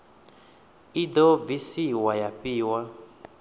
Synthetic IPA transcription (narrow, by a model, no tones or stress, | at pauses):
idɔvisiwajapiːwa